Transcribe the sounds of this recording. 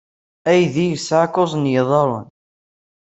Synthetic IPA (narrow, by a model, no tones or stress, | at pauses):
æjðijəsʕakosˤnjəðˤɑɾˤə̰n